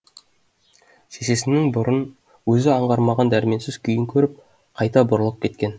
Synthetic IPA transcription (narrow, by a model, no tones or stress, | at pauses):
sese̞sɪnːɪŋbʊɾən | wɵzɪɑɴʁɑɾmɑʁɑnd̪æɾme̞nsɪz̥kʲʰʏjɪŋkʲʰɵɾɪp̚ | qʰɑjt̪ɑbʊɾəlˠəp̚kʲʰe̞t̪kʲe̞n